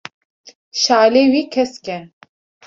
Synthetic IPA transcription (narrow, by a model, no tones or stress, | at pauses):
ʃaːleːwiːkʰɛskʲɛ